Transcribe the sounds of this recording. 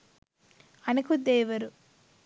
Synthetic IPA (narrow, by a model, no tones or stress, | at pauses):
ɐnɐkud̪eːʋɐɾu